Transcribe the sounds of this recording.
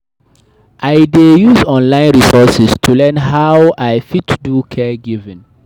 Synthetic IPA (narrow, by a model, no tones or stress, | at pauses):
ʔaɪdejuzɔ̃nlãɪ̃nɹisɔsistʰulɛ̃nɦawaɪfitdukʰɛɡivɪ̃n